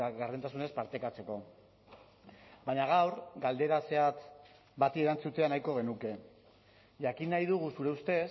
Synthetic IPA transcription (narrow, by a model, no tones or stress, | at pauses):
ɣaɾðet̪asune̞spaɾt̪e̞kat͡se̞ko̞ | bajɲaɣ̞awɾɡald̪e̞ɾase̞at̪ | bat̪ie̞ɾant͡sut̪e̞anajko̞ɣ̞e̞nuke̞ | ʝakinːajðuɣ̞usuɾe̞ust̪e̞s